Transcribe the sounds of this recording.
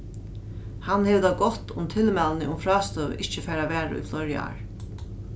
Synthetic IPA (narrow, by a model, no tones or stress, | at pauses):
hanːhɛːʋd̪aɡɔt̪ʊ̰mt̪ʰɪlmɛlnɪʔʊmfɾɑːst̪œːʋ̰ʔɪht͡ʃəfɛːɾaʋɛːɾa̰ṵjflɔɾja̰ɹ